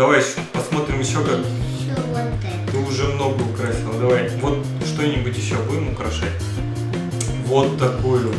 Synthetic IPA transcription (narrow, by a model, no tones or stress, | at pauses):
d̪ɐvaj | pɐsmo̞t̪ɾʲɪmjɪɕːo̞kak | t̪ɨʊʐɛmno̞ɡəʊkɾasʲɪnˠəd̪ɐvajvo̞t̪̚ | ʂt̪o̞nʲɪbʊtʲjɪɕːobummʊkɾɐʂa̰t̚ʲ | vo̞t̪ːɐkojʊʊ